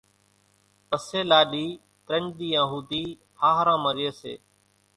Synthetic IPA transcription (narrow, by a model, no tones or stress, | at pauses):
pəseːlaːɗiː | t̪ɾəɳɗ̪iːãːɦuːd̪iː | haːɦɾãːməɾɪjəːsḛː